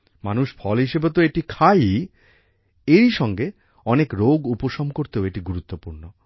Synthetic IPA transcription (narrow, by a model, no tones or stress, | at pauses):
manuʃfʰɔlɦiʃebet̪oeʈikʰaj | eɾiʃɔŋɡe | ɔnekɾoɡupoʃɔmkoɾt̪eoeʈiɡuɾut̪ːopuɾno